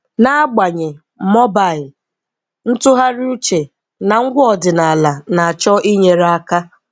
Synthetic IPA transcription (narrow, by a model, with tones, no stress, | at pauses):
na˦a˦ɡ͡ba˨ɲe˨ | mɔ˦ba˨ɪ˨l | n̩˦tʊ˦ɦa˦ɾu˦t͡ʃe˨ | na˨ŋ̩˦ɡʷʊ˦ɔ˨dɪ˨na˨la˨na˨a˨t͡ʃɔ˦i˦ɲe˨ɾa˦a˦ka˦